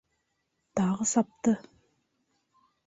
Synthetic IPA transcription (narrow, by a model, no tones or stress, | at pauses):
t̪ɑʁəsɑp̚t̪ə